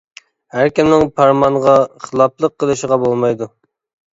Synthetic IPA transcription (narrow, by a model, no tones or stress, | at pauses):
hæɾkʲimnɪŋpʰɑɾmɑŋʁɑχəlˠɑplˠəqʰːəlˠɨʃəʁɑbolˠmɑjd̪u